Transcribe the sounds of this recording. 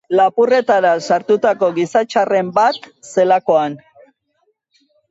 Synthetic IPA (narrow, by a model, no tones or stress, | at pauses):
lapure̞t̪aɾasaɾt̪ut̪ako̞ɣisat͡ʃare̞mbat̪se̞lako̞an